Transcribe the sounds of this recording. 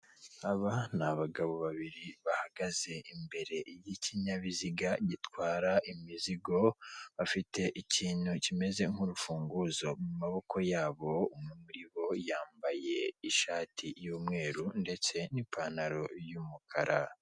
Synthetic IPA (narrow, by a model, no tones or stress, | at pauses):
aβanaβaɡaβo̞βaβiɾiβahaɡaze̞ʔimbe̞ɾe̞jiciɲaβiziɡaɟitwaːɾaʔimiziɡo̞βafite̞ʔiciːn̥hucime̞ze̞ŋ̥uɾufuːŋɡuzo̞mumaβo̞ko̞jaːβo̞umŋemuɾiβo̞jaːmbaje̞iʃaːtʰijuːmŋe̞ːɾunde̞t͡se̞nipʰaːnaɾo̞jumukʰaɾʔa